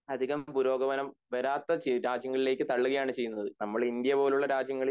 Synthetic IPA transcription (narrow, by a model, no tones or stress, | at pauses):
ɐd̪ʱiɣɐmpuɾo̞ːɡɐʋɐnɐmʋɐɾaːt̪ːɐt͡ɕɾaːd͡ʑjɐŋːɐɭile̞ːkːɨt̪ɐɭːuɣɐjaːɳɨt͡ɕe̞jːunːɐðɨnɐmːɐɭind̪jɐpo̞ːluɭːɐɾaːd͡ʑjɐŋːɐɭi